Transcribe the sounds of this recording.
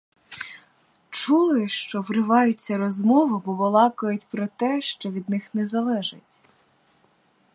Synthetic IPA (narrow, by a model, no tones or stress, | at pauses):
t͡ʃulˠɪʃt͡ʃɔʋrɪʋɑjʊt͡sʲːɐɾɔzmɔʋʊbɔʋɔlˠɑkʊjʊtʲpɾɔt̪ɛʃt͡ʃɔʋʲid̪nɪxnɛzɐlˠɛʒɪtʲ